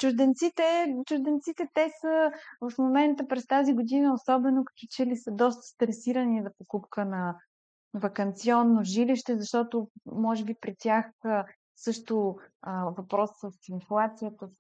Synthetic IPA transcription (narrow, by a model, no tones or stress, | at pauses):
t͡ʃʊʒd̪ɛnt̪sit̪ɛt͡ʃʊʒd̪ɛnt̪sit̪ɛt̪ɛsəvɐfmomɛnt̪əpɾɛst̪aziɡod̪inəosɔbɛnokə̥t̪it͡ʃɛlisəd̪ɔst̪ə̥st̪ɾɛsiɾənizɐpokupkənɐ | vɐkɐnt̪siɔnːoʒiliʃt̪ɛzɐʃt̪ɔt̪ʊmɔʒɛbipɾit̪ʲjaxə | sɤʃt̪ʊəvɐpɾɔsːəsinflˠat̪sijət̪ə